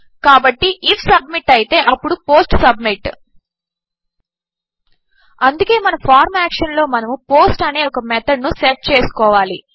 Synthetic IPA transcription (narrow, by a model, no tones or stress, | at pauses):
kaːbɐʈːiʔifʰsɐb̚miʈːɐjit̪e̞ːʔɐpːuɽupo̞ːsʈsɐbmiʈ | ɐnd̪uke̞ːmɐnɐpʰaːɾmaːkʂɐnlo̞ːmɐnɐmupo̞ːsʈɐneːɔkɐmɛt̪ʰɐɖnuseʈ̚t͡ʃeːsu̥kɔːʋaːlḭ